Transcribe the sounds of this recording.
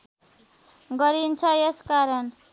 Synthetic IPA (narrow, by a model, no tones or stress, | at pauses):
ɡʌɾint͡sʰʌeskaɾʌn